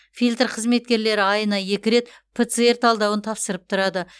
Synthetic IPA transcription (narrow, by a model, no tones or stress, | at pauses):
fijlʲt̪rqʰəzme̞t̪̚kʲe̞ɾle̞ɾɪɑjənɑje̞kʲɪɾe̞t̪ | pʰet̪sɨe̞rt̪ɑlˠd̪ɑwənt̪ʰɑpsəɾəp̚t̪ʰʊɾɑd̪ə